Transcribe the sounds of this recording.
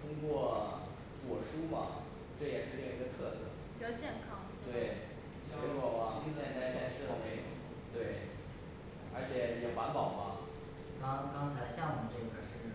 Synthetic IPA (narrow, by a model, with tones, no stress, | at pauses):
t̪ʰʊ˥ŋkwɔ˥˩ | kwɔ˨˩ʂu˥mɐ̰˨˩ | ʈ͡ʂɤ˥˩jɛ˨˩ʂɻ̩˥˧li˥˧˩ŋ˧i˧˥ɡə˧t̪ʰɤ˥˧sɤ˥˩ | jo˥˩t͡ɕjɛ˥˩nkʰɑ˥ŋt̪we˥˩ɪ˥ | e˧˥kwɔ˨˥˩mɐ˥˩˧t̪a˥ɪɕjɛ˥˩˥ʂɻ̩˥˩d̪ə˩me˧˥˩ɪjo̰˨˩˦ | t̪we˥˩ɪ | ə˞˧˥t͡ɕʰjɛ˨˧˩jɛ˨˩xwa˧˥npɑ˨˩ʊmɐ̰˦ | ma˧˥˧kɑ˥ŋt͡sʰa˧˥ɪɕjɑ˥˩ŋwɔ˨˩ʈ͡ʂɤ˥˩ɡə˩kʰa˨˩ʂɻ̩˥˩